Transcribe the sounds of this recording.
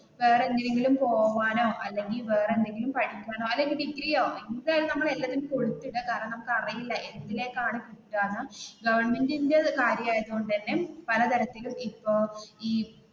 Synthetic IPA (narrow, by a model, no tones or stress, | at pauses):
ʋeːrendileŋɡilumpo̞ːʋaːno̞ːʔɐlːe̞ŋɡilʋe̞ːrend̪e̞ŋɡilumpɐʈʰikʲːaːno̞ːɐlːe̞ŋɡiɖiɡrijoːenːd̪aːjilnɐmːɐɭelːaːtðinmko̞ɻut̪ːiʈːɨkaːɾɐmnɐmukːɐrɐjilːɐʔeɾbɐðile̞ːkːaːɳɨkiʈːaːɳːɐɡɐʋɐrɳme̞ndindekaːɾjɐmaːjɐðuɣoɳɖɨðɐnːepɐlɐt̪ɐɾɐt̪ːilumipːo̞ːiː